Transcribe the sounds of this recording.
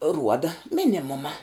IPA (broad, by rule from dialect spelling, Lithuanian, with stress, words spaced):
ˈruɔdɐ ˈmʲɪnʲɪmʊmɐ